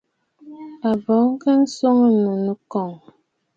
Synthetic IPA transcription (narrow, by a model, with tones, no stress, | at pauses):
a˨bɔ˨˦ŋ˦kə˦n̩˦so˦ŋə˦mə˨nə˦kɔ˨ŋ